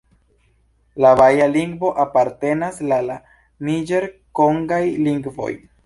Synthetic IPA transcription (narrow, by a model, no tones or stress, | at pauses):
laβajaliŋɡvo̞ʔapaɾte̞naslala | nid͡ʒeɾkoŋɡajliŋɡvo̞̰j